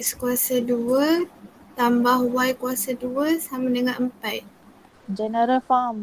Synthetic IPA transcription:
skuasaduə | t̪ambahwajkuasaduəsamədəŋaʔəmpaj | d͡ʒɛnəɾəlfam

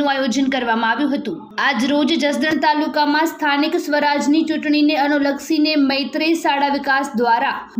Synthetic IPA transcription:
ũajod͡ʒənkəɾʋamãaʋjũɦət̪ũ | ad͡ʒɾod͡ʒd͡ʒəsd̪əɳt̪alukamãst̪ʰanɪksʋəɾad͡ʒnit͡ʃuʈɳ̃ineənuləksineməjt̪ɾesaɽaʋɪkasd̪ʋaɾa

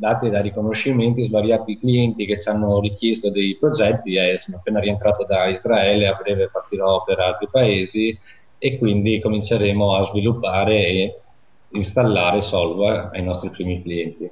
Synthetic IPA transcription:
d̪aːt̪id̪aɾikonoʃːiment̪izvaɾjaːt̪iːkliɛnt̪iket͡ʃanːorik̟jest̪od̪ejpɾod͡ʒɛt̪ːiɛsonoapːeːnaɾient̪ɾaːt̪od̪aizɾaɛːleabɾɛːvepart̪iɾɔpeɾalt̪ɾipaeːzi | ekːwind̪ikomint͡ʃeɾeːmoazvilupːaːɾeː | inst̪alːaːɾesɔlvaa̰jnɔst̪ɾipɾiːmikliɛnt̪i

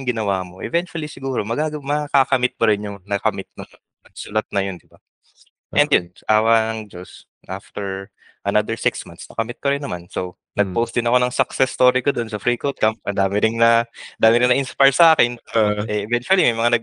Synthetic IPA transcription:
ŋɡɪnɐwaːmo̞ʔɛ̰vɛnt͡ʃʊwɐlisɪɡuːɾo̞mɐɡaɡɐwmɐkakɐmɪt̪̚pɐɾɪnjʊŋnɐkɐmɪt̪̚nʊŋ | nɐɡ̚sʊlɐt̪̚nɐjond̪ɪba | ʔʔɛnd̪jonʔaːwɐnɐŋd͡ʒos | ʔaft̪ɛɹ | ʔɐnad̪ɛɹsɪksmant̪snɐkɐmɪt̪̚kɐɾɪnːɐmansow | nɐɡ̚powst̪̚d̪ɪnɐko̞nɐŋsɐksɛst̪oːɾikod̪o̞nsɐfɾiːkot̪̚kamp̚ʔɐnd̪aːmɪɾɪŋnɐnd̪aːmɪɾɪŋnɐʔɪnspajɹsɐʔaːkɪnʔɛʔɛvɛnt͡ʃʊɐlimɐjmɐŋanɐɡ̚

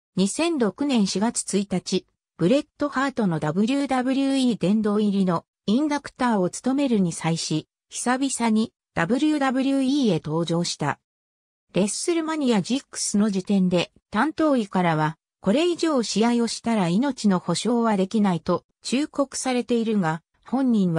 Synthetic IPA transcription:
ɲ̟isẽ̞nɾo̞kɯ̟nẽ̞ɰ̃ɕiɡat͡sɨ̥t͡sɨit̪at͡ɕi | b̥ɯ̟ɾe̞t̪ːo̞haːt̪o̞no̞d̪abɯ̟ɾʲɯːd̪abɯ̟ɾʲɯiːd̪ẽ̞nd̪o̞ːiɾʲino̞ | ĩnd̪akɯ̟̥t̪aːo̞t͡sɨ̥t̪o̞me̞ɾɯ̟ɲ̟isaiɕi | çi̥sabʲisaɲ̟i | d̪̥abɯ̟ɾʲɯd̪abɯ̟ɾʲɯiːe̞t̪o̞ːʑo̞ːɕi̥t̪a̰ | ɾe̞ssɨɾɯ̟maɲ̟ijad͡ʑikːɯ̥sɨno̞d͡ʑit̪ẽ̞nd̪e̞ | t̪ãnt̪o̞ːikaɾaβ̞a | ko̞ɾe̞iʑo̞ːɕijaio̞ɕi̥t̪aɾaino̞t͡ɕino̞ho̞ɕo̞ːβad̪e̞kʲinait̪o̞ | t͡ɕɨːko̞kɯ̟̥saɾe̞t̪e̞iɾɯŋa | hõ̞ɲ̟ʲːĩɰ̃βa

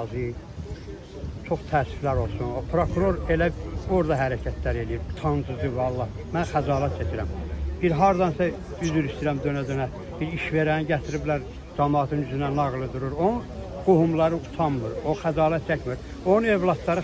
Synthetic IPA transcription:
zɯ | t͡ʃʰo̞χt̪ʰæːsy̥flæɾo̞lˠsunopʰɾokʰuɾo̞ɾelæoɾd̪ɑɦæɾæcʰæt̪ʰlæɾe̞lijiɾu̥t̪ʰɑnd͡ʒ̪ɯzɯvɑlˠːɑh | mænxæzɑːlæt̪̚t͡ʃʰæcʰiɾæmb̥iɾɦɑɾd̪ɑnsæ | yzyɾist̪iɾæmd̪ø̞næd̪ønæ | b̥iɾiʃve̞ɾænɟæt̪ʰiɾiblæɾ | d͡ʒɑmɑːt̪ʰɯnyzynænɑɣlˠɯd̪uɾuɾo | ɡ̥ohumlˠɑɾɯut̪ʰɑmːɯɾoxæzɑːlæt̪̚t͡ʃʰæcmiɾ | onnevlˠɑt̪ːɑɾɯ

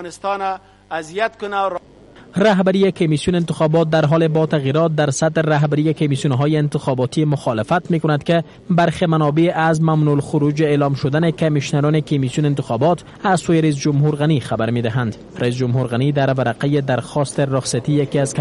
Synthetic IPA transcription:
nɪst̪ɑna | azijat̪kʊna | ɾaɦbaɾijekomisjuneɪnt̪ɪxɒbɔt̪̚d̪aɾɦɔlebɒt̪aɣiɾɔt̪̚d̪aɾsat̪ɾeɾaɦbaɾijekomisijunɦɔjeɪnt̪ɪxɔbɔt̪imʊxɔlɪfat̪mekʊnad̪ke | baɾxemanɔbeʔazmamnulxʊɾud͡ʒeeːlɔmʃod̪anekamiʃnaɾɔnekomisjuneɪnt̪ɪxɔbɔt̪ | azsojeɾais̬d͡ʒʊmɦuɾɣanixabaɾmed̪ɪɦand̪ | ɾais̬d͡ʒʊmɦuɾɣanid̪aɾvaɾaqajed̪aɾxɔst̪eɾʊxsat̪ijakiazk

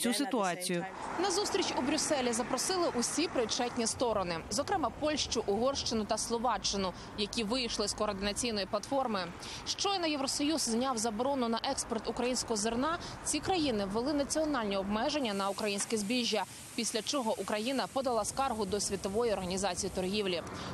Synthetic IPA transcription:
t͡sʲusɪt̪ʊɑt͡sʲijʊnɐzust̪ɾʲit͡ʃubɾʲʊsɛlʲizɐpɾɔsɪlˠɪʔusʲipɾɪt͡ʃɛtʲnʲist̪ɔɾɔnɪzɔkɾɛmɑpɔlʲʃt͡ʃʊʔʊɦɔrʃt͡ʃɪnʊt̪ɐslˠɔʋɑt͡ʃːɪnʊ | jɐkʲiʋɪjʃlˠɪskɔːrd̪ɪnɐt͡sʲijnɔjiplˠɐt̪fɔrmɪ | ʃt͡ʃɔjnɐjeʋɾɔsɔjuzzʲnʲɑwzɐbɔɾɔnʊnɐʔɛkspɔrt̪ʊkɾɐjinʲsʲkɔɦɔzernɑt͡sʲikɾɐjinɪʋelˠɪnɐt͡sʲiɔnɑlʲnʲɛɔbmɛʒenʲːɐnɐukɾɐjinʲsʲkʲɛzʲbʲiʒʲːɐ | pʲisʲlʲɐt͡ʃɔɦɔʔukɾɐjinɐpɔd̪ɐlˠɑskɑrɦʊd̪ɔsʲʋʲit̪ɔʋɔjiɔrɦɐnʲizɑt͡sʲijit̪ɔrɦʲiwlʲi

